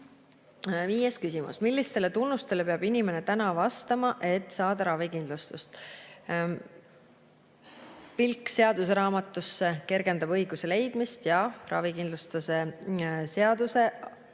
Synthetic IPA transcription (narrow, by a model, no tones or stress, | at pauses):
viːjeskysʲimṵsmilːist̪e̞le̞t̪unːust̪e̞le̞peɑb̥inʲime̞net̪ænɑvɑst̪ɑmɑʔe̞t̪ːˑsɑːd̪̥ɑɾɑvikind̪̥lust̪ust̪ | pilkːse̞ɑd̪use̞ɾɑːmɑt̪ːˑusːe̞ke̞rɡ̥e̞nd̪ɑbɤjɡ̥use̞le̞jd̪̥mist̪jɑrɑ̰vikind̪lust̪use̞se̞ɑd̪̥use̞